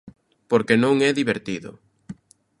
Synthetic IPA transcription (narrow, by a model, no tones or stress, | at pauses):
poɾkenõŋɛðiβeɾt̪iðʊ̰